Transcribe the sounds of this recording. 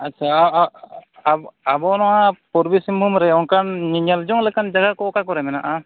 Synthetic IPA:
aːʃʰa | bɔnɔwapɔɾbisimumɾɛɔŋkanɲiɲald͡ʒɔŋlɛkand͡ʒaɡakɔkakɔɾɛmɛnaʔa

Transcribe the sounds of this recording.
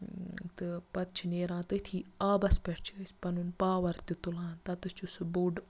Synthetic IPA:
t̪ɨpɐt̪t͡ʃʰineːɾãːt̪ɨt̪ʰiːaːbɐspeʈt͡ʃʰisʲpɐnunpaːʋɐɾt̪it̪ulãːnt̪ɐt̪ɨst͡ʃusbuɖ

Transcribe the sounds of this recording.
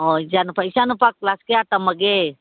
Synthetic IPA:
ɔid͡ʒanupaisanupak̚laskɛat̪aməɡɛ

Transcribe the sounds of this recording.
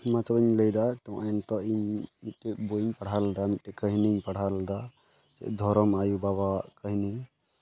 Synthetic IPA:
mat͡ʃabəɲləjd̪at̪ɔ̃ʔaɛnt̪ɔʔiɲmit̪̚ɛboiɲpaɽ̤alɛd̪amit̪̚ɛkəɦniɲpaɽ̤alɛd̪a | t͡ʃɛ̰ʔd̪ʱɔɾɔmajubaβawaʔkəɦini

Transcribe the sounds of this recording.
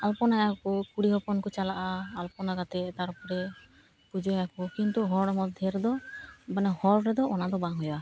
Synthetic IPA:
alpɔnajakɔkuɽiɦɔpɔnkɔt͡ʃalaʔaːlpɔnaɡat̪ɛt̪aɾpɔɾɛ | pud͡ʒɔakukint̪uɦɔɽmɔd̪ʱjɔɾɛd̪ɔbanɛhɔɽɾɛd̪ɔʔɔnad̪ɔbaŋɦɔja

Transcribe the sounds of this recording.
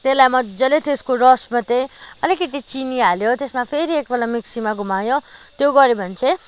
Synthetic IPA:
t̪elajmʌd͡zʌlet̪eskoɾʌsmat̪ẽj̃ʌlikʌt̪it͡sinialjot̪esmapʰeɾiek̚bʌlamiksimaɡʱumajot̪joɡʌɾebʱʌnt͡sʰe

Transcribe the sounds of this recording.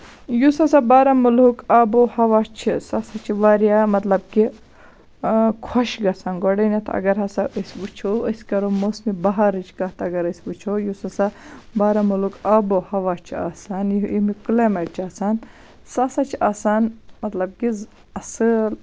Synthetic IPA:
jusɐsabaːɾɐmulukaːbohɐʋat͡ʃʰisɐsat͡ʃʰiʋaːɾjamɐt̪lɐb̚ki | kʰɔʃɡɐsaːnɡoɽɐnit̪ʰɐ̰ɡɐɾɦɐsaʔəsʲbut͡ʃʰoəskɐɾomosmibɐɦaɾɨt͡ʃʰkɐɦt̪ɐɡɐɾəsʲbut͡ʃʰojusɐsabaːɾɐmulukɐːbohɐʋat͡ʃʰia̰ːsaːnjiimiklemɐʈ̚t͡ʃʰaːsaːn | sɐsat͡ʃʰiaːsaːnmɐt̪lɐb̚ki | ɐsɨl

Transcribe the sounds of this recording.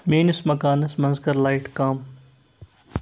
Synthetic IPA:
meːnəsmɐkaːnɐsmɐnzɡɐɾlaːɪʈkaːm

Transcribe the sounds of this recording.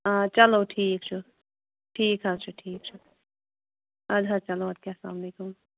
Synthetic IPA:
at͡ʃɐlowʈʰiːk̚t͡ʃʰu | ʈʰiːkɦɐzt͡ʃʰuʈʰiːk̚t͡ʃʰu | ɐd̪ʱɐt͡ʃɐloɐd̪̚kʲjaːsla̰ːmleːkum

